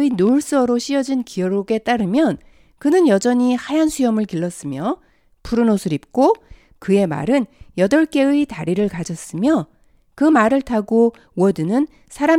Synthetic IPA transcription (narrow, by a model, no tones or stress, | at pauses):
inoɭs͈ʌɾoɕ͈ʰiʌd͡ʑinkijʌɾoɡe̞t͈aɾɯmjʌn | kɯnɯnjʌd͡ʑʌɲihajansʰujʌmɯɭkiɭːʌs͈ɯmjʌ | pʰuɾɯnosʰɯɾip̚k͈o | kɯe̞ma̰ɾɯnjʌdʌɭk͈e̞ɯitaɾiɾɯɭkad͡ʑʌs͈ɯmjʌ | kɯmaɾɯɭtʰaɡo | wʌdɯnɯn | sʰaɾam